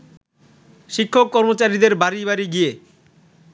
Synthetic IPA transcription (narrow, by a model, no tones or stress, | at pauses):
ʃikʰːokːɔɾmot͡ɕaɾid̪eɾbaɾibaɾiɡije